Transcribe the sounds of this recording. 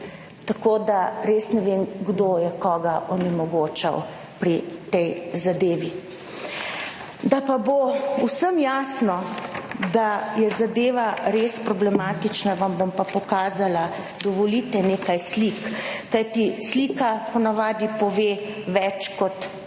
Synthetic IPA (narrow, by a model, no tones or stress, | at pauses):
t̪akod̪aɾesnɛʋenɡd̪ojɛkɔːɡaʔɔnɛmɔɡoːt͡ʃa̰w | pɾit̪ɛjzad̪eːʋi | d̪apabousəmjaːsnɔ | d̪ajɛzad̪eːʋaɾeːspɾɔblɛmaːt̪it͡ʃnaʋambompapɔkaːzala | d̪ɔʋɔlit̪ɛneːkajslikkajt̪isliːkapɔnaʋaːd̪ipɔʋeːʋɛt͡ʃkɔt̪